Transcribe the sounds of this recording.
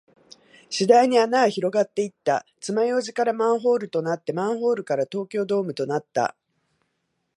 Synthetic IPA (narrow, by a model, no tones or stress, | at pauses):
ɕid̪aiɲ̟ianaːçiɾo̞ɡat̪ːe̞it̪ːa̰ | t͡sɨmajo̞ːʑikaɾamãɰ̃ɦo̞ːɾɯ̟t̪o̞nat̪ːe̞mãɰ̃ɦo̞ːɾɯ̟kaɾat̪o̞ːkʲo̞ːd̪o̞ːmɯ̟t̪o̞nat̪ːa̰